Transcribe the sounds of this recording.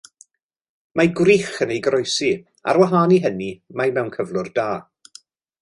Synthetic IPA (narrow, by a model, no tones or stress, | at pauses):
majɡwriːχənejɡɾɔjsi | a̰ɾwaɦaːniɦənimajmɛwnkʰəvlˠʊrdaː